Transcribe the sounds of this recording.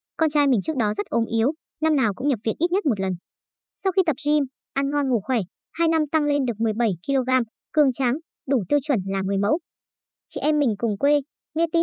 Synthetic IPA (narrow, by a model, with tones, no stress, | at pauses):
kɔ˧nt͡ɕaː˧jmï˨˩ŋ̟t͡ɕɨ˦˥k̚ɗɔ˨˦zə˦˥t̚ʔo˨˦mʔi˨˦əw | na˧mnaː˨˩wkʊ̰˧˥ŋ͡mɲə˨˩p̚vḭ˧˨ənʔi˦˥t̚ɲə˦˥t̚mo˨˩t̚lə˨˩n | sa˧wxi˧t̪ə˨˩p̚zi˧m | ʔa˧nŋɔ˧nŋu˧˩xwɛ˧˩ | haː˧jna˧mt̪a˧ŋle˧nɗɨ˨˩ək̚mɨ˨˩əjɓə˧˩jki˧lo˧ɣaː˧m | kɨ˧əŋt͡ɕaː˨˦ŋ | ɗu˧˩t̪i˧əwt͡ɕwə˧˩nlaː˨˩ŋɨ˨˩əjmə̰˧˥w | t͡ɕḭ˧˨ʔɛ˧mːï˨˩ŋ̟kʊ˨˩ŋ͡mkwe˧ | ŋɛ˧t̪i˨˦